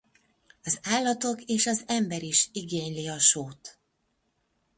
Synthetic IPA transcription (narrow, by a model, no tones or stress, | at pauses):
ɒzaːlːɒt̪o̞keːʃɒzɛmbɛɾiʃiɡeːɲliɒʃoːt̪